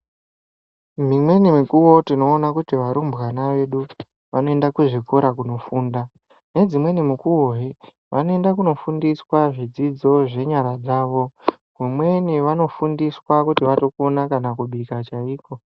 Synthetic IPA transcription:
mimwe̞nimikuwo̞tino̞ːnakutiʋaɾumbɣanaʋe̞ɗu | ʋano̞e̞ndakuʐiko̞ɾakuno̞fuːnda | ne̞d͡zimwe̞nimukuɦe | ʋanoe̞ndakuno̞fundiswaʐid͡zid͡zo̞ʐe̞ɲaɾad͡zaːʋo̞ | kumwe̞niʋano̞fundiswakutiʋatokonakanakuɓikat͡ʃaiːko̞

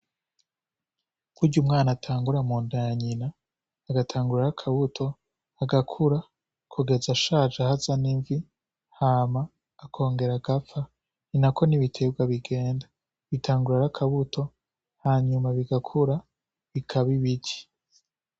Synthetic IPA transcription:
kuɾɟumŋaːnatʰaːŋɡuɾamuːndajaɲinaː | ɡatʰaːŋɡuɾaɾakʰaβutʰo̞ | aɡakʰuɾa | kʰuɡe̞zaʃaːd͡ʒahazaniɱvi | hamaː | kʰo̞ːŋɡe̞ɾaɡafa | ninako̞niβitʰebɡwaβiɡe̞ːnda | βitʰaːŋɡuɾaɾakʰaβutʰo̞ | haːɲumaβiɡakʰuɾa | βikʰaβiβiɟi̥

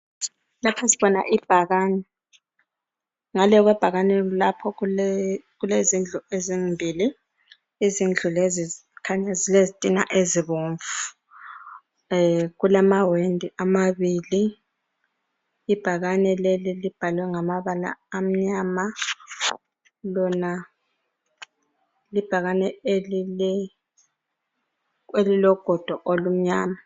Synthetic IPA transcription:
lapʰasiβɔna̰ʔib̥ʱaɣaːnɛ | ŋalɛɣwɛb̥ʱaɣanɛlapʰɔ | ɣulezind͡ɮʱueziŋmbʱiːliː | zind͡ɮʱulezikʰaɲazilezitʼina̰ʔeziβoɱvu̥ | ɣulamawendʱiʔamaβili | b̥ʱaɣanɛlelilib̥ʱalwɛŋamaβala̰ːm̩ɲaːma | lɔna | lib̥ʱaɣanɛ | ɛ | elilɔɡ̥ʱɔd̥ʱɔʔolum̩ɲaːma

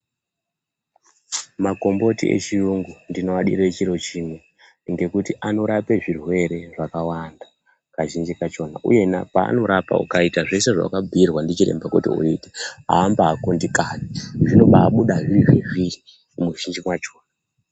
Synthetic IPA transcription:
mako̞mbo̞tiʔḛt͡ʃiuŋɡundino̞aɗiɾet͡ʃiɾo̞t͡ʃimwe | ŋɡe̞kutiʔano̞ɾape̞ʐirwe̞ɾe̞ʐakawanda | kaʒind͡ʒikat͡ʃo̞na̰ʔṵje̞napa̰ːno̞ɾapa̰ṵkaitaʐe̞se̞ʐa̰a̰kabʱirwandit͡ʃire̞̰mbakutḭṵite̥ɦa̰ːmbaːkondikaniʐino̞ɓaːɓuɗaʐiɾiʐiʐiri | muʒind͡ʒimwat͡ʃoːna

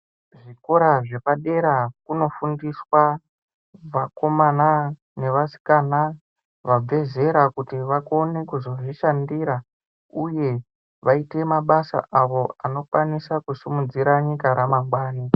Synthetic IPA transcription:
ʐiko̞ɾaʐe̞paɗe̞ɾakuno̞fundiswa | ʋako̞mana | ne̞ʋasi̥kana | ʋab͡ve̞ze̞ɾakutiʋako̞ne̞kuzo̞ʐiʃandiːɾa | uje̞ | ʋaite̞maɓasa̰ʔaʋo̞ano̞kwanisakusimud͡ziɾaɲikaɾamambwaːni

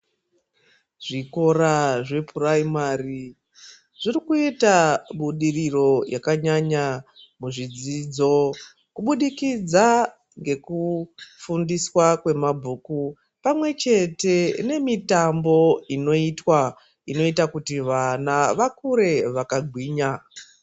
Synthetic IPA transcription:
ʐ̥iko̞ɾaʐe̞pʰuraimaːɾi | ʐ̥irikuitaɓuɗiriro̞jakaɲaɲamuʐid͡ziːd͡zo̞ | kuɓuɗikid͡za | ŋɡe̞kufundiswakwe̞mabʱuːku | pamwe̞t͡ʃe̞te̞ne̞mitambo̞ino̞itwa | ino̞itakutiʋanaʋakuɾe̞ʋakaɡʱwiːɲa

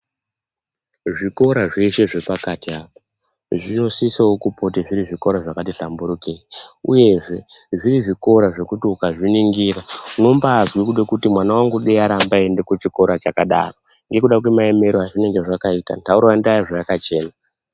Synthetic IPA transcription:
ʐiko̞ɾaʐiiʃe̞ʐe̞pakatiaːpo | ʐino̞sisaokupo̞teʐiɾiʐiko̞ɾaʐakat̬iɬambuɾukeiṵje̞ʐe̞ | ʐiɾiʐiko̞ɾaʐe̞kutiukaʐiniŋɡiɾauno̞mbaːzwikuɗekutimwanawaŋɡuɗeaɾambaende̞kut͡ʃiko̞ɾat͡ʃakaɗa̰ro̞ | ŋɡe̞kuɗak̬wemae̞me̞ɾoɦaʐine̞ŋɡe̞ʐakaita̰ntauɾandaiʐajakat͡ʃe̞ːna

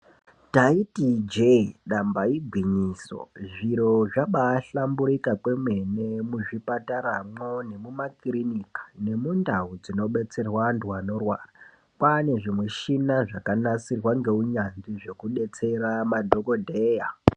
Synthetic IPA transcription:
taitid͡ʒeɗambaiɡʱwiɲiːso̞̰ʐiɾo̞ʐaɓaːɬambuɾikakwe̞mwe̞ne̞muʐipataɾamo̞ne̞mumakiɾinikḁne̞mundaud͡zino̞ɓe̞t͡se̞rwanduwano̞rwaːra | pane̞ʐimwe̞ʃinaʐakanasirwaŋɡe̞uɲand͡ziʐe̞kuɗe̞t͡se̞ɾamadʱo̞ko̞dʱeːja

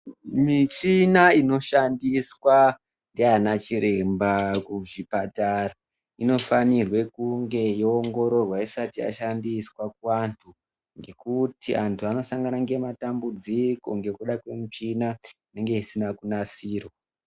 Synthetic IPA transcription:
mit͡ʃinaino̞ʃandiswa | ndianat͡ʃiɾe̞mbakuʐipatara | ino̞fanirwe̞kuŋɡe̞joːŋɡo̞ɾo̞rwaisatija̰ʃandiswakuantʰu | ŋɡe̞kutiantʰuano̞saŋɡanaŋɡe̞matambud͡ziko̞̰ŋɡe̞kuɗakwemut͡ʃinaine̞ŋɡe̞isinakunasiːro

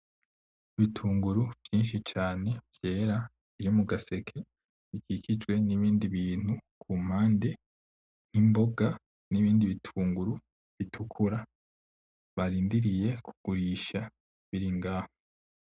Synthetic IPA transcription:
βitʰuːŋɡuɾuv̥jiːnʃit͡ʃaːne̞v̥je̞ːɾa | βiɾimuɡase̞kʰe | βikikʰid͡ʒwe̞niβiːndiβiːn̥hukʰuːm̥haːnde | n̥imbo̞ɡa | niβiːndiβitʰuːŋɡuɾu | βitʰukʰuɾa | βaɾiːndiɾije̞kʰuɡ̥uɾiːʃa | βiɾiŋɡaːho

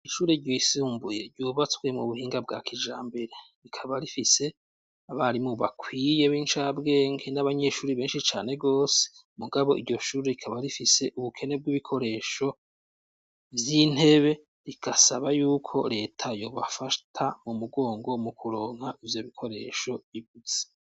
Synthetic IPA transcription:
iʃuːɾe̞ɟisuːmbuje̞ɾɟoːβat͡sɡwemŋṵβuhiːŋɡabɡa̰ːkʰid͡ʒa̰ːmbe̞ɾe̞ɾikʰaβaɾifise̞ | aβaɾimuβa̰kwiːje̞βiːnt͡ʃabɡe̞ːŋɡe̞naβaɲe̞ʃuːɾiβe̞ːnʃit͡ʃaːne̞ɡo̞ːse̥ | muɡaβo̞ʔiɾɟo̞ʃuːɾe̞ɾikʰaβaɾifise̞ʔuβukʰe̞ne̞b̚ɡiβikʰo̞ɾe̞ːʃo̞ | vjin̥he̞βe̞ | ɾiɡasaβajuːkʰo̞ɾe̞ːtʰajo̞ːβa̰fatʰamumuɡo̞ːŋɡo̞mukuɾo̞ːŋ̥haʔivjo̞βikʰo̞ɾe̞̰ːʃo̞βiβuze̥

